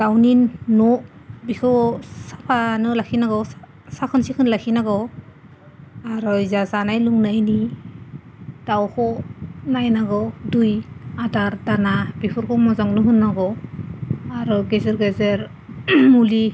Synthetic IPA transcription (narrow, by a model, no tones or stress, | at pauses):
ɡ̥awninːɔbikʰɔsapʰanɯlakʰinaɡɔ | sakʰɯnsikʰɯnlakʰinaɡɔ | aɾɔjzazanajluŋnajni | d̥awkʰɔnajnaɡɔdujadaɾdanabipʰɔɾkʰɔmɔzaŋnɯɦɯnːaɡɔ | aɾɔɡezeɾɡezeɾ | muli